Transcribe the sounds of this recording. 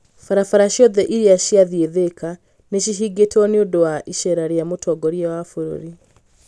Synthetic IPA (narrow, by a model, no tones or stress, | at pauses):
faɾafaɾaʃiɔðɛʔiɾiaʃiaðieðekʰa | neʃiɦiɡetɔneondowaʔiʃɛɾaɾeamotʰɔɡɔɾjɛwafoɾo̰ɾi